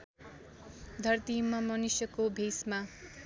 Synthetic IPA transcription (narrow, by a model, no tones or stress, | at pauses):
d̪ʱʌrt̪imːʌmʌnusjʌkobʱisma